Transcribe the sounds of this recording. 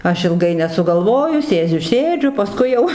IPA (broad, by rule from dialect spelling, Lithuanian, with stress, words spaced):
ˈɐʃ ɪlˠˈɡɐɪ nʲɛsʊɡɐlˠˈʋoːjʊ ˈsʲeːd͡zʲʊ ˈsʲeːd͡ʒʲʊ pɐˈskʊɪ jɛʊ